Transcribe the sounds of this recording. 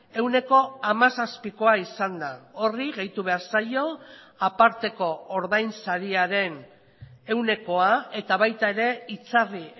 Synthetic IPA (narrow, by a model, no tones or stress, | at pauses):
e̞wne̞ko̞amasaspiko̞aisand̪ao̞riɣe̞jt̪uβe̞aɾsajo̞ | apaɾt̪e̞ko̞ːɾðajnsaɾiaɾe̞n | e̞wne̞ko̞ae̞t̪aβ̞ajt̪ae̞ɾe̞it͡sari